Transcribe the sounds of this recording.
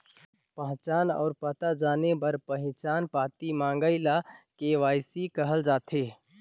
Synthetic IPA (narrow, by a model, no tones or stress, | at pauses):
pəɦt͡ʃaːnɔ̰ːɾpət̪ad͡ʒaːnebəɾpəɦɪ̃t͡ʃaːnpat̪imãŋɡəɪlakeʋaːsikəɦəld͡ʒaːt̪ʰe